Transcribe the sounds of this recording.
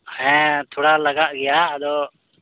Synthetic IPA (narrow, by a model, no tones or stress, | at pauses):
hɛ̃t̪ʰoːɽaləɡaʔɡɪjaəd̪oː